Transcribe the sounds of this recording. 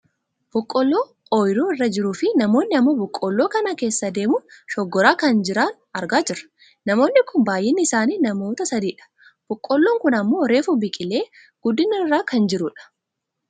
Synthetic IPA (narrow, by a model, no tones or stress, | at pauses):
b̥ɔkʼːɔlːoː | ɔjɾuːɪrːɐd͡ʒɪɾuːfɪnɐmo̞ːnːɪɐmːoːbɔkʼːɔlːo̞ːkɐnake̞ːsːɐd̪e̞ːmʊʃɔɡːɔɾaːkɐnd͡ʒɪɾaːn | ɐɾɡaːd͡ʒɪɾɐ̥ | nɐmo̞ːnːɪkʊnbaːjʔɛnːɪːsaːniːnɐmo̞ːt̪ɐsɐd̪iːᶑɐ̥ | b̥ɔkʼːɔlːoːŋkʊnɐmːo̞ːɾe̞ːfʊbɪkʼɪle̞ː | ɡ̥ʊd̪ːɪnɐɪrːaːkɐnd͡ʒɪɾʊᶑɐ̥